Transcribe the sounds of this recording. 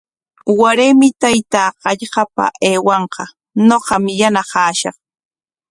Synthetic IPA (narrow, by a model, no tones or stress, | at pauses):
waɾemɪt̪ajt̪aːɢɑʎɢɑpa̰ʔeːwɑɴqɑ | noqɑmjanaqɑːʃɑ̰χ